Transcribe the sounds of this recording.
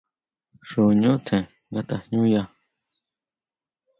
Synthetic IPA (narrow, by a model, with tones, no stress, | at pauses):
ʂo˨ɲõ˦t̪ʰẽ˨ | ŋɡa˦˧t̪a˨hɲũ˦ja˧